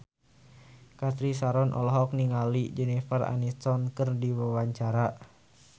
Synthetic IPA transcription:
kat̪ɾisaɾɔnʔɔ̰lɔɦɔk̚niŋalid͡ʒɛnifara̰nit̪ɔnkɨrdiwəwaɲt͡ʃaɾa

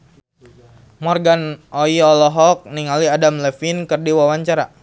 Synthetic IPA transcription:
mɔrɡanoiɔlɔɦɔk̚niŋaliadamlɛfinkɨrdiwawaɲt͡ʃaɾa

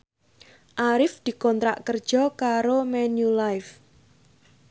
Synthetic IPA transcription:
ʔaɾɪfd̪̥i̤kɔnt̪ɾa̰ʔkərd̥ʒ̥ɔkaɾomɛnjulajf

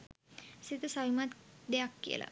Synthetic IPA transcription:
sit̪əsaʋimat̪d̪ejakːḭə̰lʔa̰

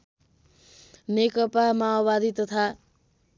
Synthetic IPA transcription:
nekʌpamaobad̪it̪ʌt̪ʰa

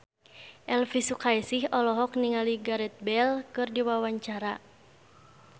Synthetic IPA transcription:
ʔɛlfisukaɛsihɔlɔɦɔkniŋaliɡaɾɛt̪̚bɛlkɨrdiwawaɲt͡ʃaɾa

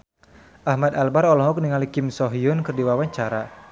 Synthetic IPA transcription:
ʔahmad̪albaɾɔlɔɦɔk̚niŋalikɪmsɔɦiʊnkɨrdiwawaɲt͡ʃaɾa

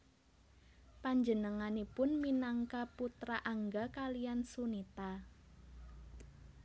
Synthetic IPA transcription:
paɲd͡ʒənəŋanipʊnminaŋkaput̪ɾaʔaŋɡakalijansunit̪a

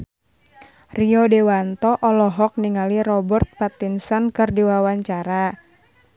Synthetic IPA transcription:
riɔdewant̪ɔʔɔlɔɦɔk̚niŋalirɔbərt̪̚pat̪insankɨrdiwawaɲt͡ʃaɾa

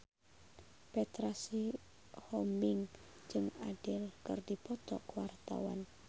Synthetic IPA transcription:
pɛt̪ɾasi | hɔmbiŋ | d͡ʒɨŋadɪlkɨrdipɔt̪ɔkəwart̪a̰wa̰n

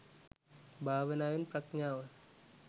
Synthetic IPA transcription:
bʱaːʋɐnaːjunprɐkɲaːʋɐ

